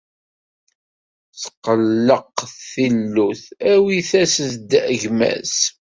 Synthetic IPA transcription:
θqːəlːəqθilːuθæwiθæsəθd̪əʝmæ̰s

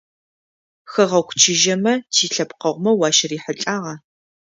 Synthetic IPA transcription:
xɐʁɐwxʷt͡ʃʰɪʒɐmɐtʰiːɬɐpqɐʁʷmɐwɑːʃɐriːħəɬʼaːʁɐ

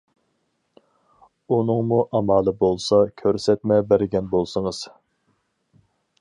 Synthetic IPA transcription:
unɨŋmuʔɑmɑːlˠɨbolˠsɑkʲʰøɾsɛt̪mɛbæɾɪɡʲɛnbolˠsɨŋəz̥

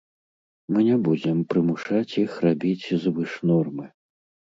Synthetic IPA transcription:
mɨnʲɛbud͡zʲɛmpɾɨmuʂat͡sʲjixrabʲit͡sʲzvɨʂnɔrmɨ

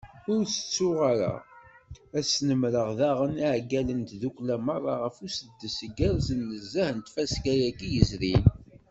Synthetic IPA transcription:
ʊɾsə̥t͡sːʊʁaɾa̰ | æsnəmɾəʁðaʁəniʕɡælənt̪ðukʷlæmɑrˤːɑʁəfusəd̪ːəsəɡəɾzənːəzːæhnt̪fæskæjækːijəzɾin

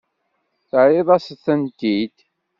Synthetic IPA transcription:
θəʕiðˤɑsθənt̪id̪

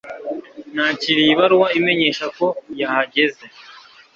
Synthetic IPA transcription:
naciɾiβaɾwaime̞ɲe̞ːʃako̞jahaɟe̞ze̞

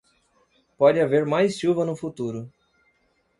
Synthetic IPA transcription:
pɔd͡ʒɪaveɾmajsʃuvɐnʊfut̪uɾʊ

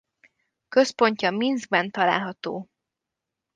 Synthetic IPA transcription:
kø̞spo̞ɲcɒminzɡ̚bɛnt̪ɒla̰ːlɦɒt̪oː

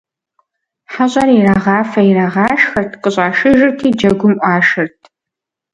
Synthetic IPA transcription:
ħaɕʼɐɾiraːʁɑːfɐiraʁɑːʃxɐrtʰqʼəɕʼɑːʃɨʒɪrtʰiːd͡ʒɐɡʷʊmʔʷʼɑːʃɐrtʰ

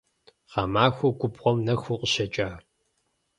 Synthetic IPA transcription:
qɑmaːxʷɐɡʷʊbʁʷɔmnɐxʷuqʷəɕɐt͡ʃʼaː

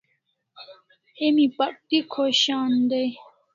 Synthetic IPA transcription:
emĩpɐk̚t̪ikʰoɕaːnd̪ej

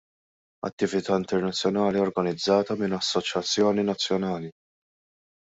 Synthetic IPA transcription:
ɐ̰t̪ːɪvɪt̪ɐːɪnt̪ɛɾnɐt͡sːjɔnɐːliɔɾɡɐnɪd͡zːɐːt̪ɐmɪnɐsːɔt͡ʃjɐt͡sːjɔːninɐt͡sːjɔnɐːli

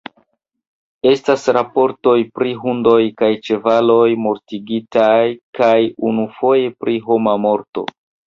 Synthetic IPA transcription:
e̞stasɾapo̞ɾto̞jpɾiɦundo̞jkajt͡ʃe̞valo̞jmo̞ɾtiɡitajkajunufo̞je̞pɾʔiɦo̞mamo̞ɾto̞̰

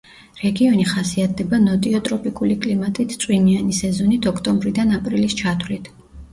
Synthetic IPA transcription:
ɾɛɡiɔniχasiat̪̚ʰd̪ɛbanɔt̪ʼiɔt̪ʼɾɔpʼikʼulikʼlimat̪ʼit̪ʰt̪sʼwinianisɛzɔnit̪ʰɔkʰt̪ʼɔmbɾid̪anapʼɾilist͡ʃʰat̪ʰwlit̪ʰ

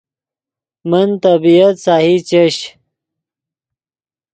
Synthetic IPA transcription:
mənt̪ɐbijɐt̪saːhit͡ɕeɕ

